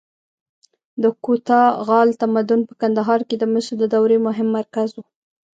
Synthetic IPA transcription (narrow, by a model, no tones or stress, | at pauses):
d̪əkot̪ɑɣɑlt̪amad̪ʊnpə̥kand̪aɦɑɾked̪əməʃɾd̪əd̪awɾemʊɦɪmːaɾkazwu